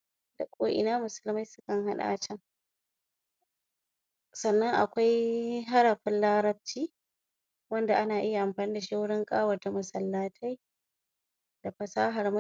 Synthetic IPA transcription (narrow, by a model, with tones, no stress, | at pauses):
da˨kʷʼoː˦ʔɪ̰˨naː˦mʊ˨sʊ˦lma˦jsʊ˦kɐ˨ŋɦa˦ɗa̰ː˨t͡ʃɐ˦ŋ | sɐ˨nːɐ˦ŋʔa̰˨kʷa˦jɦa˦ɽɐ˨ɸɪ˦nlaː˦ɾɐ˦b̚t͡ʃiː˦ | wɐ˦nda˨ʔa˦naː˨ʔɪ˦ja˨ʔa˨mɸaː˨niː˦da˨ʃaː˦wʊ˦ɽɪ˦ŋkʼaː˦wɐ˨rta˨mʊ˨sɐ˨lːaː˦tʰa˦j | d̥a˨ɸɐ˨saː˦ɦa˨rmʊ˦